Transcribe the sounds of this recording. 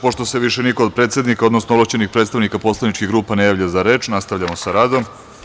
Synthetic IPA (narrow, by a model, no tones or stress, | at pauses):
po̞ʃt̪o̞se̞ʋiʃeniko̞od̪̚pɾet̪sʲe̞d̪nikao̞d̪nosnooblat͡ɕenixpɾet̪st̪aʋnikapo̞slˠaʋnit͡ʃkiɣɡɾuːpanejaːʋʎazaɾe̞ːt͡ʃnast̪aʋʎamo̞saɾaːd̪o̞m